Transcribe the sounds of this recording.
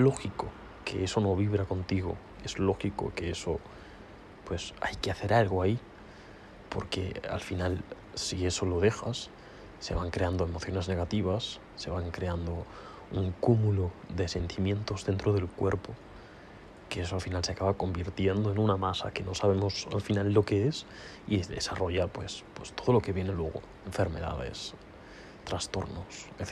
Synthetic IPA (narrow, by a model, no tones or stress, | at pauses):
lo̞xiko | ke̞eso̞no̞β̞iβɾako̞nt̪iɣ̞o̞̰ | e̞zlo̞xiko̞̰ke̞eso̞ | pwe̞sa̰jke̞aθe̞ɾalɣoai | poɾke̞̰a̰lfinal | sie̞so̞lo̞ðe̞xa̰sː | e̞̰βaŋkɾe̞and̪o̞e̞mo̞θjo̞ne̞zne̞ɣat̪iβ̞asː | e̞βaŋkɾe̞and̪o̞ | uŋkumuloðe̞se̞nt̪imjẽ̞nt̪o̞zðe̞nt̪ɾoðe̞lkwe̞ɾpo̞ | keesoalfinalseakaβako̞mbiɾt̪je̞nd̪oe̞nunamasa̰ke̞no̞saβ̞e̞mo̞salfinalːo̞ke̞es | iðe̞̰saroʝapwe̞spwe̞st̪o̞ð̞o̞lo̞ke̞βje̞ne̞lwe̞ɣ̞o̰eɱfe̞ɾme̞̰ða̰ðe̞̰s | t̪ɾast̪o̞̰ɾnose